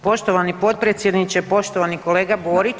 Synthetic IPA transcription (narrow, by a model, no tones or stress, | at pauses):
po̞ʃt̪o̞ʋanipo̞t̪̚pɾet̪sjed̪nit͡ɕepo̞ʃt̪oʋaniko̞le̞ːɡaboːɾi